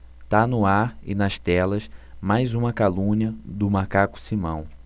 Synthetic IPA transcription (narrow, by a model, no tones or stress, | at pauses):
t̪anʊaɾɪ̰nɐst̪ɛlɐsmajzũmɐkalũɲɐd̪ʊmakakʊ̥simɐ̰̃w̃